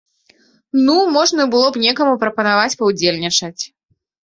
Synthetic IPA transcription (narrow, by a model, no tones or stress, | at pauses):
numɔʐnɐbɨlˠɔpnʲɛkɐmupɾɐpɐnavat͡sʲpɐwd͡zʲelʲnʲit͡ʂɐt͡sʲ